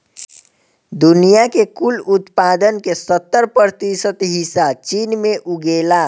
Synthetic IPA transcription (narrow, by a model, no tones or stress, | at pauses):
d̪unijakekulut̪pad̪ənkesət̪ːəɾpəɾt̪isət̪ɦisat͡ʃinmeʔuɡela